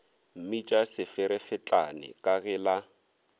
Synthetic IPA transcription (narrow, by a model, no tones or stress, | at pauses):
m̩mit͡ʃʼasɪfɪɾɛfɪt͡ɬʼanɪ̰kʼaɣɪla